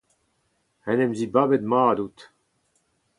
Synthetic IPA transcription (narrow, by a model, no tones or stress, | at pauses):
hɛnemzibabed̪maːd̪ut̪